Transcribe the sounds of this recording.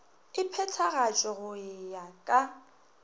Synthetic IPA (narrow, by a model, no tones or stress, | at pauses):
ɪpʰɛtʰaɣat͡ʃʼɔɣʊɪjakʼa